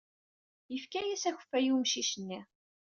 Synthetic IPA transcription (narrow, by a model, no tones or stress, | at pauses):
jəfkæjæsæçə̥fːæjumʃiʃənːi